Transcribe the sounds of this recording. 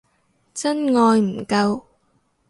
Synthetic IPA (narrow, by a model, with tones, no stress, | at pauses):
t͡sɐ˥nŋɔː˧jm̩˨˩kɐ˧w